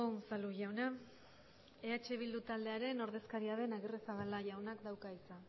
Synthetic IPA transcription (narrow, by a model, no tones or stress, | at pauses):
omsaluʝawna | e̞at͡ʃe̞β̞ild̪ut̪ald̪e̞aɾe̞no̞ɾðe̞skaɾiaðe̞naɣiresaβalaʝawnakd̪awkait͡sa